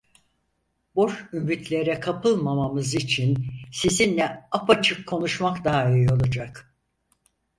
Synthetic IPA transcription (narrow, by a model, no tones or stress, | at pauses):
bo̞ʃymit̪ʰlʲe̞ɾɛkʰapʰɯlˠmamamɯzit͡ʃʰinsizinlʲɛapat͡ʃʰɯkʰːo̞nuʃmakd̪aijo̞lˠad͡ʒak